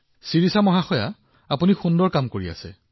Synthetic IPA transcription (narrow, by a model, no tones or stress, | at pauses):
siɹisamɔɦaxɔja | apunixundɔɹkamkoɹia̰sɛ̰